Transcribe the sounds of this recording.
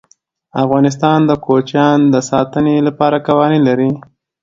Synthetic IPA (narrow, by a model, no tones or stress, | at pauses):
afɣɑnɪs̬t̪ɑnd̪əkot͡ʃjɑnd̪əsɑt̪ənelapɑɾakawɑnilaɾi